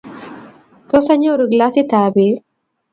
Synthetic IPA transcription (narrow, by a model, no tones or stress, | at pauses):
t̪ɔsɐɲoɾɯɡlasit̪aːbiɾ